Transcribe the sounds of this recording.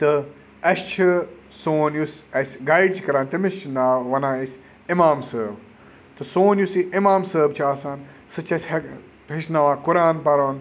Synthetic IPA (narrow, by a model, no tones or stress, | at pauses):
t̪ɨ | ɐst͡ʃʰisoːnjusɐsʲɡajɖ̚t͡ʃʰikɐɾaːnt̪ɐmist͡ʃʰnaːʋɐnaːɐsʲ | imaːmsəːb | t̪ɨsoːnjusiʔɪmaːmsəːbt͡ʃʰaːsaːn | sɨt͡ʃʰɐsʲhɐ | ɦiʃnaːʋãːkʊɾaːnpɐɾoːn